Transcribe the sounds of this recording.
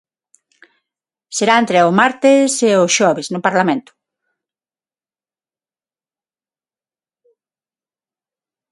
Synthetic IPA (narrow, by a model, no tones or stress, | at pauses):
seɾaẽnt̪ɾeʊmaɾt̪eseʊʃɔβesnʊpaɾlamẽnt̪ʊ̥